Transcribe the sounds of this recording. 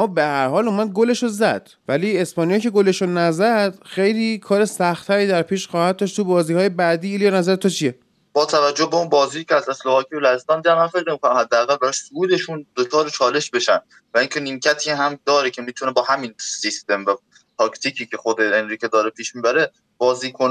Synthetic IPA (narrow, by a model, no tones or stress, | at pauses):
mɒːbehæɾhɒːluːmæd̪̚ɡole̞ʃozæd̪̥ | væliːe̞spɒːnijɒcʰeɡole̞ʃonæzæd̪̥xejliːkʰɒːɾesæxt̪ʰːæɾiːd̪æɾpʰiːʃxɒːhæd̪̚d̪ɒʃt̪ʰubɒːziːhɒːjebæd̪iːiljɒnæzæɾet̪ʰut͡ʃʰije | b̥ɒːt̪ʰævæd͡ʒːohbeunbɒːziːjiːcʰɛæzeslohɒːkʰiːbelæhest̪ɒːnd̪id̪ænmænfeknemikonæmhæd̪ːeæɣælbæɾɔʃsouːd̪e̞ʃund̪̥ot͡ʃʰɒːɾet͡ʃʰɒːle̞ʃbe̞ʃænd̪ | væiŋcʰe̞nimcʰæt̪ʰiːɦæmd̪ɒːɾecʰe̞miːt̪ʰunebɒːhæminsist̪e̞mvæ | t̪ʰɒkt̪ʰiːcʰiːcʰe̞xod̪eenɾiːkʰed̪ɒːɾepʰiːʃmiːbæɾe | b̥ɒːziːkʰon